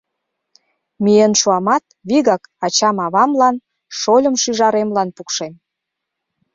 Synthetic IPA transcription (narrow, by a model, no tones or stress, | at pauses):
mijənʃuɑmɑt̪βiɣɑkɑt͡ɕɑmɑβɑmlɑn | ʃolʲə̆mʃyʒɑɾemlɑnpukʃem